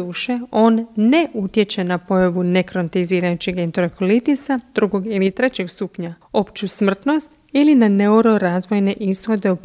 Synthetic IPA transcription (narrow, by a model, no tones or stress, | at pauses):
uːʃe̞o̞ːnːe̞ʔut̪jet͡ɕe̞napo̞jaʋune̞kɾont̪iziːɾajut͡ɕixɡent̪ɾokolit̪isad̪̥ɾuɡo̞ɡilit̪ɾe̞t͡ɕe̞ɡst̪upɲa | o̞pt͡ʃusmr̩t̪no̞st̪ | ilinane̞uɾo̞ɾaːzʋo̞jne̞ʔisxo̞d̪e̞up